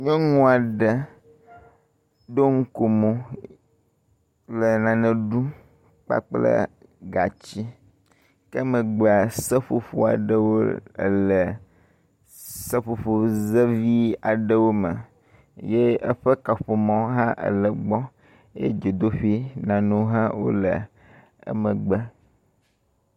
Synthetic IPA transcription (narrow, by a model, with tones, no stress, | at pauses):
ɲɔ̃˦ŋũ˦a˨ɖə˨ | d̪o˦ŋ̩˦ko˨mõ˨ | lə˨nã˨nɛ̃˨ɖu˦ | k͡pa̰˦k͡plə̰˦ | ɡa˨t͡ɕi˦ | kə˦mə̃˨ɡ͡be˨a˨sə˦ɸo˨ɸo˦a̰˨ɖə˦wo̰˦˨lə˨ | sɛ˦ɸo˨ɸo˨ze˦vi˦a˨ɖə˦wo˦mə̰̃˨ | je˦ə˦ɸɛ˦ka˨ɸo˨mɔ̃˦ɦã˦ʔə̰˨lə˨ɡ͡bɔ˦ | jḛ˦d͡ʒe˨d̪o˦ɸi˦nã˨nũ˦ɦã˦wo̰˦lə˨ | ə̰˦mə̃˨ɡ͡bə˦